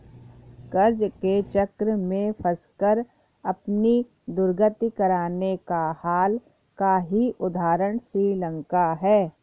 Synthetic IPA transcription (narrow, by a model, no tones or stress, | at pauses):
kəɾd͡ʒket͡ʃɐkɾəmẽfʰɐskəɾ | ɐpni | d̪ʊɾɡət̪ikəɾaːnekahaːl | kaɦiʔʊd̪ʱaːɾəɽ̃sɾiːlə̃ŋkaɦɛː